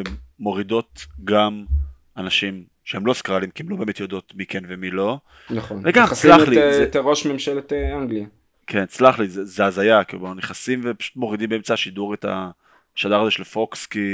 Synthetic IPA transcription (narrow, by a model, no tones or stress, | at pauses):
emːo̞ʁid̪o̞tɡam | anaʃim | ʃeemlo̞skalimkiemlo̞beːmet̪jodo̞t̪mikenvemilo̞ | naχonveɡamslaχliteʁoʃmemʃelet̪eaŋɡlia | kʰent͡slaχlizezeazajakḭluneχasimvepḁʃu̥t̪mo̞ʁid̪imbeemt͡saʃiduʁeta̰ | ʃadaʁazeʃelefo̞kski